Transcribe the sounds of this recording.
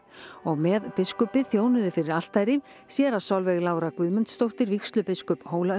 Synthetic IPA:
ɔɣmɛðpɪskʏpɪθjoːwnʏðɪfɪɾɪɾal̥t̪ajɾɪm | sjɛɾaðsawlvɛɣlaːwɾakvʏðmʏnt̪st̪owht̪ɪɾvikst̪lʏpɪskʏphoːwla

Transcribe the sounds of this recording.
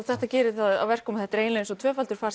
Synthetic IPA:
θɛht̪acɛːɾɪθaða̰vɛr̥kɔːmɪθɛht̪ɾeːjnlejnsɔt̪ʰvœːfalt̪ʏɾ̥faːɾ

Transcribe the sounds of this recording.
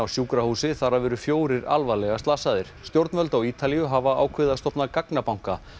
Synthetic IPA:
awsjuːkɾahuːsɪθaɾːavɛːɾʏfjoːwɾɪɾa̰lvalɛɣast̪aːsaðɪɾ̥st̪jowɾt̪nvœlt̪awiːt̪alijʏɦavaaːwkʰvɪðast̪ɔhpnakaknapawŋ̥ka

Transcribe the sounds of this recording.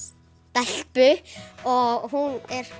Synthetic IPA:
t̪aɬpʏɔɦunɛɾ

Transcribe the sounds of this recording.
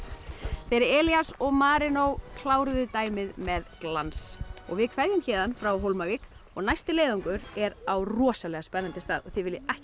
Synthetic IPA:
θejɾɪɾɛːljasɔɣmaːɾɪnowkʰlaːwɾʏðʏt̪aːjmɪðmɛðklansɔ̰ɣvɪðkʰvaɾðjʏmçɛːðanfɾawɦowlmavikɔɣnajst̪ɪleːjðɔŋkʏɾɛɾawrɔːsalɛɣaspɛnːant̪ɪst̪aːðɔθɪvɪljɪɛhc

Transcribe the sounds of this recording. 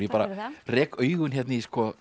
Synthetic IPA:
ipaːɾa̰rɛːkʰœɥɣʏnɦɛt̪niskʰɔː

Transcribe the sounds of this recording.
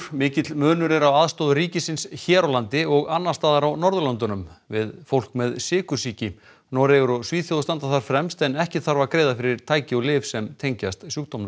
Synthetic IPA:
mɪːcɪt̪lmœːnʏɾɛɾawaðst̪oðʏɾiːcɪsɪnsçɛːɾawlant̪ɪɔɣanːḁst̪aːðaɾawnɔɾðʏlant̪ʏnʏmvɪðfowl̥kmɛðsɪːkʏsiːcɪ | nɔːɾɛɣʏɾɔɣsviːθjowðʏst̪ant̪aθaɾ̥fɾɛmst̪ɛnɛhcɪθaɾvaɾkɾeːjðafɪɾɪɾ̥t̪ʰaːjcɪɔɣlɪːvsɛmt̪ʰejɲcast̪sjuːkt̪omnʏ

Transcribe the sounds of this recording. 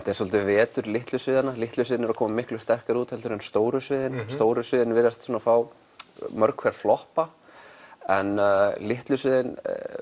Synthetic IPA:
t̪ɛsɔlt̪ɪvɛːt̪ʏɾlɪht̪lʏsvɪːðanalɪht̪lʏs̬ɪːðɪnɛɾakʰɔːmamɪhklʏ̥st̪ɛr̥kaɾuːt̪hɛlʏɾʏnst̪oːwɾʏsvɪːðɪnst̪oːwɾʏsvɪːðɪnvɪɾast̪sɔːnafaːw | mœɾkʰvɛɾ̥flɔhpa | ɛnlɪht̪lʏsvɪːðɪn

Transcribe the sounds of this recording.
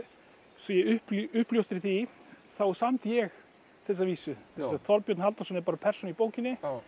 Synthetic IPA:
sɔjɛʏhpʏhpljowst̪ɪɾ̥θiθawsamt̪jɛɣ | θɛs̬ːaviːsʏθɛsaθɔɾpjœt̪nhalt̪asɔnɪɾpaːɾapʰɛrsɔnipoːwcɪnːɪ

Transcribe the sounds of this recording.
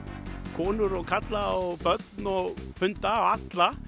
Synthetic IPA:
kʰɔːnʏɾɔkʰat̪laɔɣpœt̪nɔfʏnt̪aɔat̪la

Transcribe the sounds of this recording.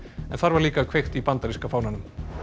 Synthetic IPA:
ɛnθaɾvaɾliːkaðkʰv̥ejxt̪ipant̪aɾiskafaːwnanʏm

